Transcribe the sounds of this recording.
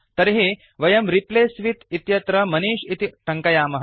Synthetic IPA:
t̪ɐɾɦe | ʋɐjɐmɾipleːsʋit̪it̪jɐt̪ɾɐmɐniːʃit̪iʈʰɐŋkɐjaːmɐɦ

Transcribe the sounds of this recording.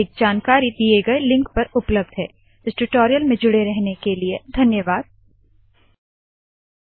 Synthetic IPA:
ɪk̚d͡ʒaːnkaːɾid̪ijeɡɐelɪ̃ŋkpɐɾʊpləb̚d̪ɦɛ̰ː | ɪsʈʊʈoːɾijəlmẽd͡ʒʊɽeɾɛɦnekelied̪ʱɐnjəʋaːd̪̚

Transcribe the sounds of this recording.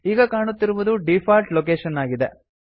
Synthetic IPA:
iːɡɐkaːɳut̪ːiɾuʋud̪uɖipʰaːɾʈloːk̬eːʃɐnaːɡid̪e

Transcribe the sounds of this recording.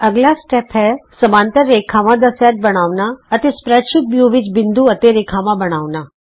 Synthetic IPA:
əɡlasʈɛpʰɦɛsəmãːnt̪əɾːeːkʰaʋãd̪əsɛʈ̚bəɽ̃aːʋnaət̪espɾɛʃɪk̚bjuʋɪt͡ʃbɪnd̪uət̪eɾeːkʰamãbəɽ̃aːʋnaː

